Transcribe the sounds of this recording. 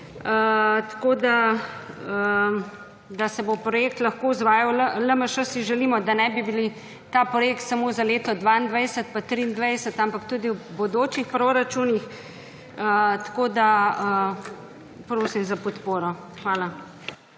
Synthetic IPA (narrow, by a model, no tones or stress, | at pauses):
ət̪koːd̪a | ə | d̪asɛbopɾɔjeːk̚t̪lɐxkouzʋaːjawlələməʃəsiʒɛliːmɔd̪anɛbibili | t̪aːpɾɔjeːkt̪samozaleːt̪ɔd̪ʋaind̪ʋɛjsət̪̚pat̪ɾind̪ʋɛjsət̪ampakt̪uːd̪iwbod̪oːt͡ʃixpɾoɾat͡ʃunix | ət̪koːd̪aə | pɾoːsimzapɔt̪poːɾɔ | xʋaːla